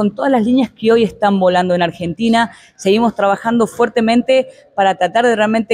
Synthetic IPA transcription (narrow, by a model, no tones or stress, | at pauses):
o̞nt̪o̞ðazlazlinjaskeo̞je̞st̪ambo̞land̪o̞enaɾxe̞nt̪ina | se̞ɣimo̞st̪ɾaβaxand̪o̞fweɾt̪e̞mẽnt̪e | paɾat̪ɾat̪aɾðerealment̪e